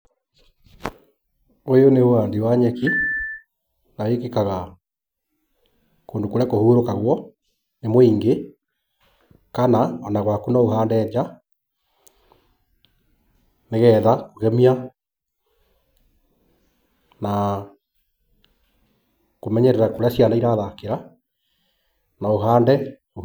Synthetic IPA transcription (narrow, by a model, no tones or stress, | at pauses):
ojoneoandiwaɲɛki | nawekekaɣa | koːndokoɾɛkohuːɾokaɣwɔ | nemoiːŋɡe | kanaɔnaɣwakunaohaːndɛːɲd͡ʒa | neɣɛːðaoɣɛmia | na | komɛɲɛɾɛɾakoɾasianaiɾaðakeɾa | naoɦaːndɛ